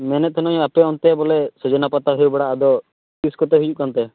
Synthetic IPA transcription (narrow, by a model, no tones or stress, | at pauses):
mɛnɛt̪̚ʰɔnɔj̃apɛɔnt̪ɛbɔlɛsɔd͡ʒɔnapat̪aɦɔjwbɛɽaːd̪ɔ | piskɔt̪ɛɦujuʔ̚kant̪ɛ